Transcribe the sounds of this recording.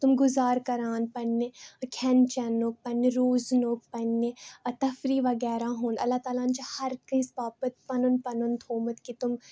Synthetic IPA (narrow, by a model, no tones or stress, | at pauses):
t̪ʊmɡʊzaːɾkɐɾaːnpɐnːekʰɛnt͡ʃɛnoːk̚pɐneɾoːznoːk̚pɐnːẽt̪ɐfɾiːʋɐɡɛːɾaːɦũːnɐ̰lːaːt̪aːlaːnt͡ʃhɐɾkə̃spaːpət̪̚pɐnʊnpɐnʊnt̪ʰoːmət̪kit̪ʊm